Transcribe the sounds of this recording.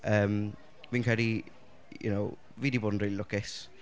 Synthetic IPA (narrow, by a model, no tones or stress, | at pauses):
əːm | viːnkʰɹɛdi | jʊ̰now | viːdiboːdən̩riːlˠilˠʊkɪs